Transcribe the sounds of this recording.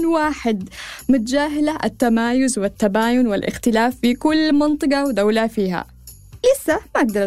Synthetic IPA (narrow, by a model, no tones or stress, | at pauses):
nwaːħɪd̪mʊt̪d͡ʒaːɦɪlaʔat̪ːamaːjʊzwɪt̪ːabaːjʊnwɪlʔɪ̰xt̪ɪlaːfːikʊlːmɪnt̪ˤɨɡɑwd̪awlafiːɦa̰ | lɪsːamaʔaɡ̚d̪ɑɾˤ